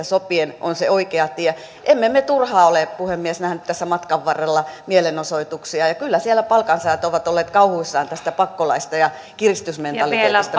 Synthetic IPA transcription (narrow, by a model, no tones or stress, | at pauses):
æsopieno̰nseoikeɑt̪iæ | ʔemːemet̪urhɑːolepuhemːiesnæhnyt̪t̪æsːæmɑt̪kɑʋʋɑrːelːɑmielenosoit̪uksiɑjɑkylːæsielæpɑlkɑnsɑɑt̪oʋɑt̪olːeːt̪kɑuhuisːɑːnt̪æst̪æpɑkːolɑ̰ist̪ɑjɑ | kirist̪ysment̪ɑlit̪eːest̪ɑ